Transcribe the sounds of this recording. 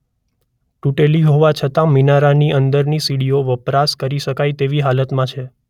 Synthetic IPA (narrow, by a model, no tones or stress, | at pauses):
ʈuʈeliɦoʋat͡ʃʰət̪ãminaɾaniʔənd̪əɾnisiɽioʋəpɾaskəɾiʃəkajt̪eʋiɦalət̪mãt͡ʃʰe